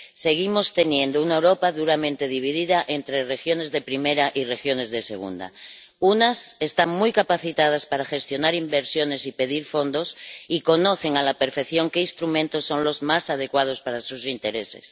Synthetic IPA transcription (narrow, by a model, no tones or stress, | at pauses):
se̞ɣ̞imo̞st̪e̞njẽ̞nd̪ounaewɾo̞paðuɾamẽ̞nt̪e̞ðiβ̞iðiðaʔe̞nt̪ɾere̞xjo̞ne̞zðepɾime̞ɾaʔire̞xjo̞ne̞zðe̞se̞̰ɣ̞ṵnd̪a̰ | unase̞st̪aŋmujkapaθit̪að̞aspaɾaxe̞st̪jo̞naɾimbe̞ɾsjo̞ne̞sipe̞ðiɾfo̞nd̪o̞siko̞no̞θe̞ŋalape̞ɾfe̞kθjo̞ŋke̞inst̪ɾumẽnt̪o̞sːo̞nlo̞zmasað̞e̞kwað̞o̞spaɾasusint̪e̞ɾe̞se̞̰s